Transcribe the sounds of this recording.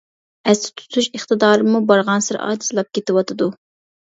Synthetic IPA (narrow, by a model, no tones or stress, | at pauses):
ɛst̪ʰɪ̥t̪ʰu̥t̪ʰuʃəχt̪ɨd̪ɑːɾɨmubɑɾʁɑnsɨɾɑ̰ːd̪i̥sɨlˠɑp̚kʲet̪ɪwɑt̪ʰɨd̪u